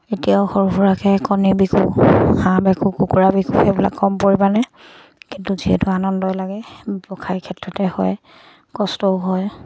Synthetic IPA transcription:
etijaʊxoɹɦuɹakɛkɔnibikṵhãbɛkʰukukuɹabikupʰɛbla̰kːɔmpoɹibanɛ | kintuziɦɛ̰tʊanɔndɔjlaɡɛbɔkʰajkʰɛtɹɔtɛhɔ̰j | kɔstɔʊɦɔj

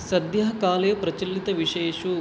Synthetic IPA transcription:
sɐd̪jɐɦɐkaːlɐjɐpɾɐt͡ʃɐlːit̪ɐʋiʂɛːɐʃu

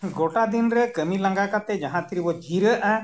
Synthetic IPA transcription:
ɡoʈad̪inɾɛkəmilãŋɡakat̪ɛd͡ʒaɦãt̪ʰiɾibɔd͡ʒʱiɾəʔã

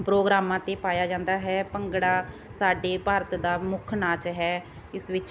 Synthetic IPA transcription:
pɾoːɡɾaːmãːt̪eːpaːjaːd͡ʒãːnd̪aːɦɛːpəŋɡɽaː | saːɖeːpaːɾət̪d̪aːmʊkʰnaːt͡ʃɦɛː | ɪsʋɪt͡ʃ

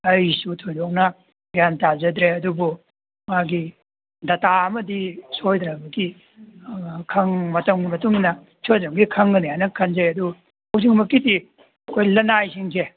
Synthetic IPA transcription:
ɐjsutʰojdɔk̚nɐ | ɡijantazɐd̪ɾeɐdubu | ŋaɡi | dɐtaɐmɐdisojd̪ɾɐbɐɡi | kʰɐŋmɐtɐŋɡimɐtuŋnɐ | sozoŋɡikʰɐŋɡɐneajnɐkʰɐnzeɐdu | ɐws̬iŋmɐkiti | ɐkʰojlɐnajsiŋse

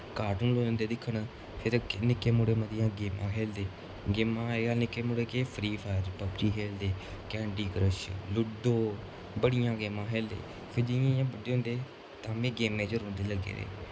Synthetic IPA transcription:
kaːʈuːnloːənd̪eːd̪ɪkʰːəɳ | pʰɪɾknɪkːeːmʊɽeːməd̪ɪjãːɡeːmã̰ːɦeːld̪eː | ɡeːmãːɡanɪkːeːmʊːɽeːkeːpʰɾiːpʰaːɾpəpt͡ʃiːɦeːld̪eː | kɛ̃ːɳɖiːkəɾəʃlʊɖoː | bəɽɪjãːɡeːmãːɦeːld̪ḛː | pʰɪɾd͡ʒɪjãːjãːbəɖːeːɦʊ̃nd̪eː | t̪ãːmẽːɡeːmẽːt͡ʃəɾõːnd̪eːləɡːḛːɾḛː

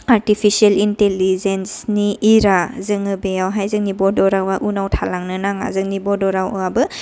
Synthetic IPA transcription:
aɾtipʰisielintelizensniʔiɾazɯŋɯbejawɦajzɯŋnibɔdɔɾawaʔunawtʰalaŋnɯnaŋa̰zɯŋnibɔdɔɾawɯabɯ

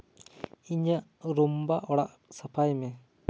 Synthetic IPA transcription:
iɲəɾumbaʔɔɽaʔ | səpʰajme

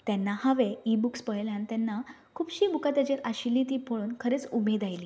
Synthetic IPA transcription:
t̪janːahaʋeibukspəɭljãnt̪anːa | kʰuːbɕiːbukat̪jat͡ɕeɾʔaɕilit̪iːpʰoɭuːnkʰəɾet͡subʱed̪ajli

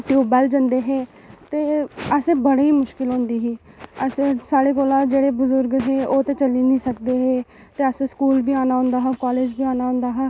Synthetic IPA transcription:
ʈjuːbɛːld͡ʒənd̪eːɦeː | t̪eːəseːbəɽeiːmʊʃkɪlɦõːnd̪iːɦiː | əsesaːɽeːkoːlãːd͡ʒeːɽeːbʊzʊɾɡɦeːoːt̪eːt͡ʃəliːnĩːsəkd̪eːɦeː | t̪eːəseskuːlbiːaːnaːɦʊ̃nd̪aːɦɛːkɔːleːd͡ʒbʱiːaːnaːɦʊ̃nd̪aːɦɛː

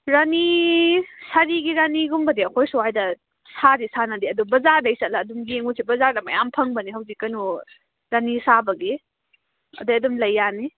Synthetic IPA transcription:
ɾani | saɾiɡiɾaniɡumbɐdiɐkʰojsuɦajdɐ | sadisanɐdiɐdubɐzaɾdajsatlɐːdumɡeŋusibɐzaɾdɐmɐ̰jampʰɐŋbɐniɦɐwzikːɐnu | ɾanisabɐɡi | ɐ̰dajɐdumlɐjːani

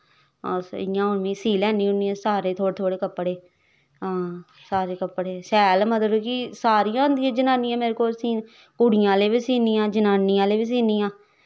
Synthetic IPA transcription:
ɔːɪ̰jãːʊnmĩːsiːlɛːniːʊniːãːsaːɾeːt̪ʰoːɽt̪ʰoːɽeːkəpːɽeː | ɦãː | saːɾeːkəpːɽeːsɛːlmət̪əɾkisaːɾijãːnd̪ijãːd͡ʒənãːniːãːmeːɾeːkoːlsĩː | kʊɽɪjãːleːbiːsiːniːjãːd͡ʒənaːnijãːleːbiːs̬iːniːãː

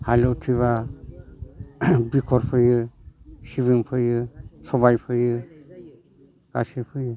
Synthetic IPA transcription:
halɔtʰiβa | bikʰɔɾpʰɯjɯsiβimpʰɯjɯsɔβajpʰɯjɯ | ɡ̥a̰sipʰɯjɯ

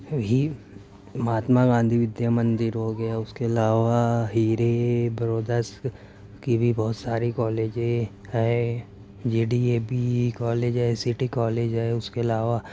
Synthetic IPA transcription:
i | mɦaːt̪maɡãːnd̪ʱiʋɪd̪jamɐ̃nd̪ɪɾɦoɡɐjaʊskeɐlaːʋaɦiːɾebɐɾoːd̪əs | kibʱibɔːt̪saːɾikɔːleːd͡ʒe | ɦɛ | d͡ʒeːɖieːbikɔːleːd͡ʒɦɛsɪʈikɔːleːd͡ʒɦɛʊskeɐlaːʋa

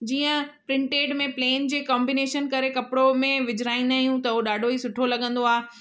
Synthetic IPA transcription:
d͡ʑiːə̃pɾɪ̃ɳʈeːɖmẽpleːnd͡ʑeːkɔːmbineːʃənkɐɾekɐpɽomẽʋɪd͡ʑɾaːĩnd̪aːijũt̪ɐoɗaːɖʱoisʊʈʰolɐɠə̃nd̪oaːɦe

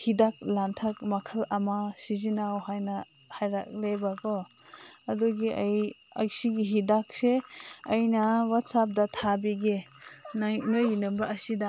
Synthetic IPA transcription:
hidak̚lantʰak̚makʰɐlɐmasizinawhajna | hajɾak̚lebaɡɔ | aduɡiaj | a̰ksiɡiɦidak̚seɐjnawat̚sap̚datʰabiɡe | aŋɯjnɯmbaɐsida

